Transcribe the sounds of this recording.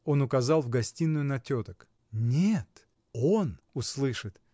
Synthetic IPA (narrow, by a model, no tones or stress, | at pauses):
o̞nʊkɐzɑlˠvɡɐsʲtʲinːʊjʊnɐtʲo̞t̪ək | nʲet̪ | onʊslˠɨʂɨt̪